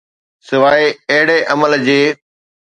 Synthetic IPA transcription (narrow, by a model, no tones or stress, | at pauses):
sɪʋaːeɐɦɪɽeʔɐməld͡ʑeː